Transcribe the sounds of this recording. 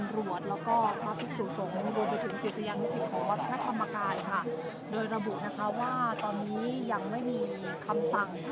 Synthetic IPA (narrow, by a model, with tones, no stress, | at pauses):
mɾu˨˩ət̪̚lɛː˦˥wkɔː˥˩pʰɾaː˦˧kʰi˦˥t̪̚suː˩so˨˩˦ŋɾuː˧mp̬a˧jt̪ʰɯ˩˦ŋsi˨˩˦sa˧jaː˧ni˦˥si˨˩t̪̚kʰɔː˩˦ŋwa˦˥t̪ʰːa˧ɾa˦˥t̪ʰa˧mːa˧kaː˧nkʰa˥˩ | doː˧jɾa˧bu˨˩na˦˥kʰa˦˥waː˥˩t̪ɔː˧nːiː˦˥ja˧ŋma˥˩jmiː˧kʰa˧msa˨˩ŋ